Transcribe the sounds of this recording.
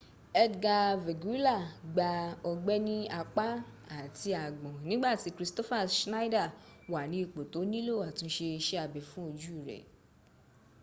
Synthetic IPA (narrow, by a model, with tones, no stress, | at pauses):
ɛ˧ɡa˧ve˨ɡu˨˦i˦la˦˨ɡ͡ba˧ɔ˧ɡ͡bɛ˦nĩ˦a˧k͡pa˦ | a˨ti˧a˨ɡ͡bɔ̃˨nĩ˦ɡ͡ba˦˨ti˨˦kɾi˦stɔ˦fa˦˨ʃna˦da˦˨wa˨nĩ˨˦i˦˨k͡po˨to˨˦nĩ˦lo˦˨a˨tĩ˧˦ʃe˧ʃe˦a˧bɛ˨fũ˦o˧d͡ʒu˦i˦˨ɾɛ̰˨